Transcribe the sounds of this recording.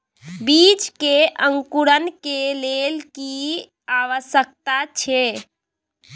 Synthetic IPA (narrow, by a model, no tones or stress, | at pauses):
bit͡ʃkeʔəŋkuɾənkelelki | aʋəsjək̚t̪at͡ʃʰɛ